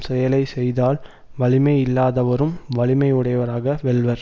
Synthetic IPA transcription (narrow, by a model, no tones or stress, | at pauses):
sɛjɐlɐɪsɛjðaːl | ʋɐɭɪmɐɪɪlːaːðɐʋɐɾɯmʋɐɭɪmɐɪɯɽɐjʋɐɾaːɣɐʋɛɭʋɐɾ